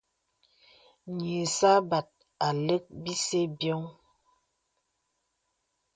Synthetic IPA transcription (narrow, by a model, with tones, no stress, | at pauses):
ɲe˨sa˦ba˨t̚ | a˨le˦k̚bi˦se˦bjɔ˦ŋ